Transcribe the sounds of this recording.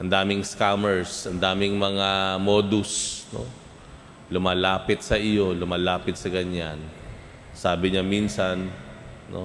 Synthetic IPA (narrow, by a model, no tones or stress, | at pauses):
ʔɐnd̪aːmɪŋskamɛɹsʔɐnd̪aːmɪŋmɐŋamoːd̪ʊsno̰ | lʊmaːlaːpɪt̪̚sɐʔɪjo̞lʊmaːlaːpɪt̪sɐɡɐɲan | saːbɪɲaminsannʔo̰